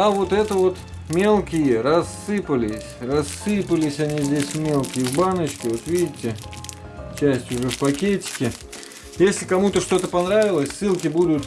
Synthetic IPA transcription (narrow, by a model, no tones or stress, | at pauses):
ɐvo̞t̪ɛt̪əvo̞t̪ | mʲelˠkʲɪjərɐsːɨpəlʲɪsʲrɐsːɨpəlʲɪsʲɐnʲizʲdʲesʲmʲe̞lˠkʲɪjəvbanət͡ɕkʲɪvo̞t̪vʲidʲɪtʲːɪ | t͡ɕæsʲtʲjʊʐɛfpɐkʲetʲɪ̥kʲɪ | jesʲlʲɪkɐmut̪əʂt̪o̞t̪əpɐnɾavʲɪlˠəsʲsɨlˠkʲɪbud̪ʊt̪